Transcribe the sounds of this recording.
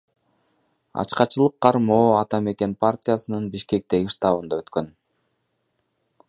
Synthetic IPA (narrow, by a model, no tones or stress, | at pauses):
ɑ̰t͡ʃqɑt͡ʃɯlˠɯqʰːɑɾmo̞ːɑt̪ɑme̞ke̞npʰartʲijasɯnɯnbiʃke̞k̚t̪e̞ɡiʂt̪ɑβɯnd̪ɑø̞t̪kø̞n